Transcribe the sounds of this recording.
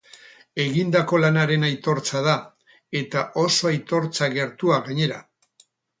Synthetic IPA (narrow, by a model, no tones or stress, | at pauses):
e̞ɣind̪ako̞lanaɾe̞najt̪o̞ɾt͡sað̞a | e̞t̪aʔo̞so̞ajt̪o̞ɾt͡saɣe̞ɾt̪uaɣaɲe̞ɾa